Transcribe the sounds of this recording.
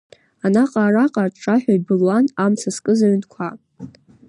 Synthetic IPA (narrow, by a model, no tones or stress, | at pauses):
anaqʼaːraqʼarʈ͡ʂʰʼaħʷᶣaibɨlwanamt͡sʰaskʼɨzaɥnkʷʰa